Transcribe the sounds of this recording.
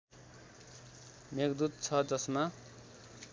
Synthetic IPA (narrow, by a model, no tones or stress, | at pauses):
meɡd̪ut̪̚t͡sʰʌd͡zʌsma